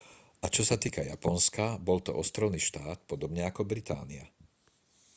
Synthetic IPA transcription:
ʔat͡ʃɔsat̪iːkajapɔnskabɔlt̪ɔ̰ʔɔst̪ɾɔʊniːʃt̪aːt̪pɔd̪ɔbɲɛakɔbɾit̪a̰ːnia̰

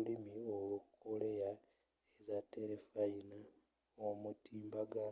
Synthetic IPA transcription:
limiolukʰoleja | ezate̞ɾefajina | omutiːmbaɡa

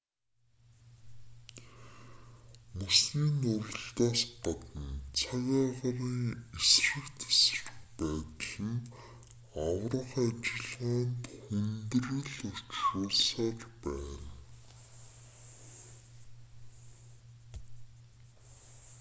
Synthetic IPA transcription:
musniːnʊɾ̆ə̆ɬt̪aːspat̪ə̆nt͡sʰaɣʲaːʁaɾiːŋesrə̆kt̪ʰḁs̆rxpæːt̪ə̆ɮə̆n | awrə̆χat͡ɕɪ̆ɮʁaːnt̪xunt̪ɘ̆rɘ̆ɮur̥t͡ɕrʊːɮsaːrpæːn

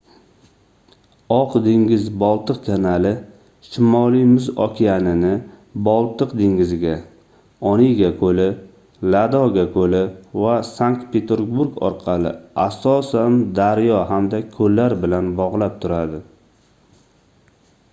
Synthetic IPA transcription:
ɒqd̪ɪŋɡʲɪzbɒlˠt̪ɨqkʲʰanalɪ | ʃɪmɒlˠijmʊzɒ̰kʲʰijanɪnɪbɒlˠt̪ʰɨqd̪ɪŋɡɪzɪɡʲa | ɒniɡʲakʰɵlɪ | lad̪ɒɡʲakʰɵlɪvasaŋk̚t̪̚pʰe̞t̪ʰeɾɡbuɾɡɒ̰ɾqʰɑlɪ̰asɒsand̪aɾjɒɦamd̪akʰɵlːaɾbɪlanbɒʁlˠap̚t̪ʰʊɾad̪ɪ

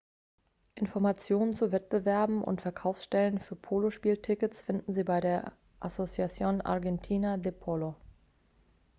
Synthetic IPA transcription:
ʔɪnfɔɐmat͡sjoːnənt͡suvɛt̚b̥əvɛɐbm̩ʔʊ̰ntfɛɐkʰaʊfsʃtɛlənfyːɐpʰoːloʃpiːltʰɪkət͡sfɪndn̩ziːbaɪɾeːɐ | ʔasot͡sjat͡sjoːnʔa̰ɐʁɡɛntʰiːnadepʰolo

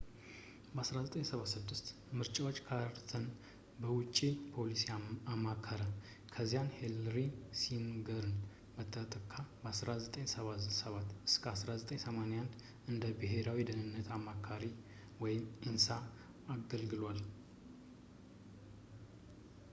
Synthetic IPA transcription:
bəasɾazət̪ʼəɲsəβasɨd̪ːɨst̪ | mɨɾt͡ʃʼawot͡ʃʼːkʰaɾt̪ʰən | bəwʊt͡ʃʼːipʰo̞lisiamːakʰːəɾa | kʰəzːijanhelɾisinɡəɾɨn | bət̪ʰːət̪ʼəkʰːabəasɾazət̪ʼəɲsəβasəβat̪ɨskʰəasɾazət̪ʼəɲsəmaneand̪ | ɨnd̪əbɨɦe̞ɾawid̪ənɨnːət̪amːakʰaɾi | wɔjɪmʔɨnsa | aɡəlɡɨlwal

